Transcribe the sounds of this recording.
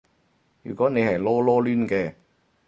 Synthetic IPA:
jyː˨˩kɔː˨˥ne˨˧jhɐ˨jlɔː˥lɔː˥lyː˥nkɛː˧

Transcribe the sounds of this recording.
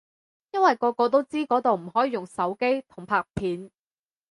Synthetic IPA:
jɐ˥nwɐ˨jkɔː˧kɔː˧t̪̬o˥wt͡siː˥kɔː˨˥t̪o˨wm̩˨˩hɔː˨˥jiː˨˧jʊ˨˩ŋsɐ˨˥wke˥jt̪ʰʊ˨˩ŋpʰaː˧k̚pʰiː˨˧n

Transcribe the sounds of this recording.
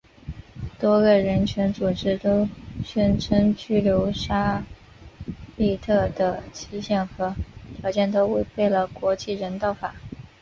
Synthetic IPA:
t̪wɔ˥ɡə˨ɻə˧˥nt͡ɕʰɥɛ˧˥nt͡su˨˩ʈ͡ʂɻ̩˥t̪o˥ʊɕɛ˥nʈ͡ʂʰə˥ŋt͡ɕy˥ljo˧˥ʊʂa˥ | li˥˧t̪ʰɤ˥˩d̪ə˩t͡ɕʰi˧˥ɕjɛ˥˩nxɤ˧˥t̪ʰjɑ˧˥ʊt͡ɕjɛ˥˩nt̪o˥ʊwe˥˧ɪpe˥˩ɪlə˩kwɔ˧˥t͡ɕi˥˩ɻə˧˥nt̪ɑ˥˩ʊfa˨˩˦

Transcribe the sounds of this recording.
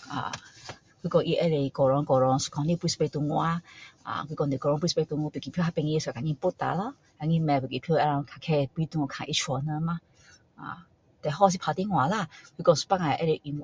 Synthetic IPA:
a̰˨ | kʷwi˧kɔ˧ʔi˧ʔɛ˦le˨kɔ˨ɾɔ˧ŋkɔ˨ɾɔ˧ŋsu̥˨˧kʰɔ̃˧nli˦pi˧˦spɛ˧k̚t̪u˧ŋu˧˦a˧˦ã̰˧˨kʷi˧kɔ˧nde˨kɔ˧ɾɔ̃˧pi˧spɛ˧k̚t̪u˧ŋu˧˦pi˨ki˨pʰo˧˦a˧pɛ˧ŋĩ˧e˧ska˨ɲĩ˧˦po˦t̪a̰˨la˧˦ | a˧˨ŋĩ˧mɛ̃˨pu˨ki˨pʰo˦ɛ˧ɾã˧kʰa˨kʰɛ˧pi˧˦t̪u˧ŋɔ˧˨kʰã˨ʔi˧t͡ʃʰwɔ˨nə˧˦mã˧ | a̰˧˨ | t̪ɛ˨ɦɔ˦s̬i˧pʰa˧t̪i˦ŋw̃a˨la˧˨kʰʷwi˧˦kɔ̃˧su̥˧pa˦ŋã˨ʔɛ˦le˨ʔi˧ŋw

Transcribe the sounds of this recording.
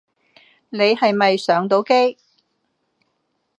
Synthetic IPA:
ne˨˧jhɐ˨jmɐ˨jsœː˨˥ŋt̪̬o˨˥wke˥j

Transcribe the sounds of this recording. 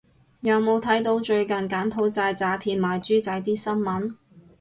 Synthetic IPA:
jɐ˨˧wmo˨˧wt̪ʰɐ˨˥jt̪o˨˧wt͡ʃɵ˧ɥkɐ˨˩nkaː˨˥npʰo˨˥wt͡saː˧jt͡saː˨˧pʰiː˧nmaː˨jt͡ʃyː˥t͡sɐ˧jt̪iː˥sɐ˥nmɐ˨˥n

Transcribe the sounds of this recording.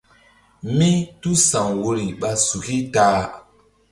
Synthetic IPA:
mi˦tu˦sa˨ŋwo˧ɾi˨ɓa˧su˨ki˦taː˨˦

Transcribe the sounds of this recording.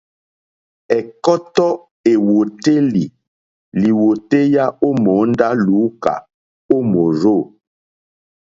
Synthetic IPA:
ɛ˨kɔ˦tɔ˦ | e˨wo˨te˦li˨ | li˨wo˨te˦ja˦o˦mo˨˦n˦da˦lu˨˦ka̰˨ | o˦mo˨ɾo˦˨

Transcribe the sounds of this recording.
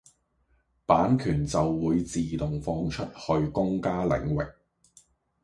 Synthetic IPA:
paː˨˥nkʰyː˨˩nt͡sɐ˨wːuː˨˧jt͡siː˨t̪ʊ˨ŋfɔː˧ŋt͡ʃʰɵ˥t̚hɵ˧ɥkʊ˥ŋkaː˥lɪ̰˨˥ŋwɪ˨k̚

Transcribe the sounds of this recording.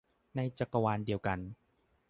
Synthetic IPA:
na˧jt͡ɕa˨˧˩kːa˧waː˧ndi˧əwka˧n

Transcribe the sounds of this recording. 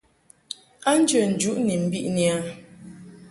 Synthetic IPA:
a˦n̩˦d͡ʒə˨n̩˨d͡ʒu˦ʔni˨m̩˨bḭ˦ʔni˨a˦

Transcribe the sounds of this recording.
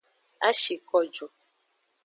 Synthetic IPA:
a˦ʃi˨kɔ˦d͡ʒɔ˨

